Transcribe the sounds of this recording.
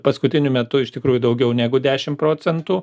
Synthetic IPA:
pɐskʊt̪ʲɪnʲʊmʲɛt̪ʊɪʃt̪ʲɪkɾuːjʊd̪ɐʊɡʲɛʊnʲæːɡʊd̪ʲæːʃʲɪmpɾoːt͡sʲɛnt̪uː

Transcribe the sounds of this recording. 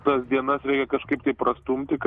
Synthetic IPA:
t̪ɐsd̪ʲiɛnɐsɾʲɛɪkʲɛkɐʃkɐɪp̚t̪ɐɪpɾɐst̪umʲt̪ʲɪk

